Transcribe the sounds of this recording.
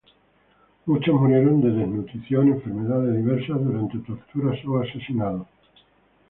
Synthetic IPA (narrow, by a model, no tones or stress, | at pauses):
mut͡ʃomuɾjeɾond̪eðeznut̪ɾiθjonẽɱfeɾmeðaðeðiβ̞eɾsaðuɾant̪et̪oɾt̪uɾasoasesinaðo